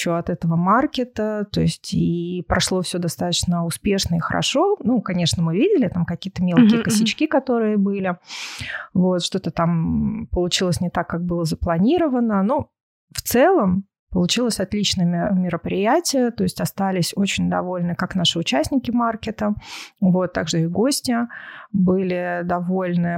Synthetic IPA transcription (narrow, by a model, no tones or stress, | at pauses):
t͡ɕːoɐt̪ɛt̪əvəmarkʲɪt̪ət̪o̞̰ɪsʲtʲipɾɐʂlˠo̞fsʲod̪ɐst̪at̪ə̥t͡ɕnəʊspʲeʂnəixəɾʔɐ̰ʂo̞nukɐnʲe̞ʂnəmɨvʲidʲɪlʲɪt̪amkɐkʲijət̪əmʲe̞lˠkʲɪjkəsʲɪt͡ɕkʲikɐt̪o̞ɾɨjəbɨlʲɪ | vot̪ʂt̪o̞t̪ət̪ampəlˠʊt͡ɕilˠəsʲnʲɪt̪akːak̚bɨlˠəzəplˠɐnʲiɾəvənənu | ft̪sɛlˠəm | pəlˠʊt͡ɕilˠəsʲɐt̪lʲit͡ɕnəjəmʲɪɾəpɾʲɪjætʲɪjət̪o̞ɪsʲtʲɐst̪alʲɪsʲot͡ɕɪnʲd̪ɐ̰vo̞lʲnɨkakn̪aʂɨʊt͡ɕæsʲnʲɪkʲɪmarkʲɪt̪əvo̞t̪ːa̰ɡʐɨɪɡo̞sʲtʲɪbɨlʲɪd̪ɐvo̞lʲnɨ